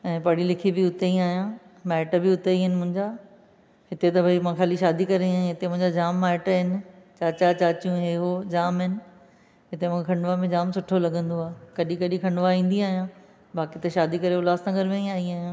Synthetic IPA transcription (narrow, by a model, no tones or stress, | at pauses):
ɛ̃ːpɐɽilɪkʰibɪʊt̪eĩaːɦijãmaːɪʈbɪʊt̪eiɦɪnɪ̆mʊ̃ɦɪ̃ɲd͡ʑaː | ɦɪt̪et̪ɐbʱɐimãxaːliʃaːd̪ikɐɾeiaːjãɦɪt̪emʊ̃ɦɪ̃ɲd͡ʑad͡ʑaːmːaːʈəɦɪnɪ̆t͡ɕaːt͡ɕat͡ɕaːt͡ɕijũɦeːɦod͡ʑaːmɦɪnɪ̆ | ɦɪt̪emʊ̃kʰekʰɐ̃ɳɖʋamẽd͡ʑaːmsʊʈʰolɐɠə̃nd̪oaːkɐɗĩkɐɗĩkʰɐ̃ɳɖʋaɦĩːn̆d̪iaːɦijãː | baːkiɪt̪ɐʃaːd̪ikɐɾeʊlaːsnɐɡəɾmẽiaːiaːɦijã